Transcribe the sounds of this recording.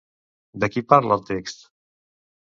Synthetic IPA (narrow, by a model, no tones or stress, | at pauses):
d̪əkipaɾləːlˠt̪ekst̪